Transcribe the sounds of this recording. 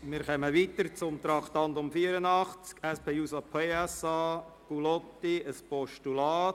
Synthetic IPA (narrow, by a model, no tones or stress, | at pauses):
mɪːɾχɛməʋiːt̪əɾt͡sʊmt̪ɾɑkt̪ɑnt̪ʊmfiːəɾənɑχt͡skɛspʰeːjuːsɑpʰeːɛsɑ | kulɔt̪ːiəspɔʃtulɑː